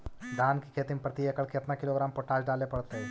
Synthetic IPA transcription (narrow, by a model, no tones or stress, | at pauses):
d̪ʱaːnkikʰeːt̪ɪmpɾət̪iekəɭkeɐp̪nakɪloːɡɾaːmpoːʈaːd͡ʒɖaːlepɐɽt̪eɦɛː